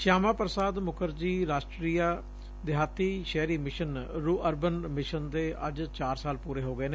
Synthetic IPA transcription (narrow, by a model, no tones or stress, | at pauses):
ʃaːmaːpɾəsaːd̪mʊkəɾd͡ʒiːɾaːʃʈɾiːjaː | d̪ɪɦaːt̪iːʃɛːɾiːmɪʃənɾuːʔəɾbənmɪʃənd̪eːʔə̰d͡ʒt͡ʃaːɾsaːlpuːɾeːɦoːɡəɛeːneː